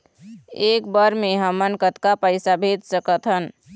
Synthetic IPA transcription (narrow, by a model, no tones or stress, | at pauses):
eːkbəɾmẽɦəmənkət̪kapəɪsabʱed͡ʒ̪səkət̪ɦən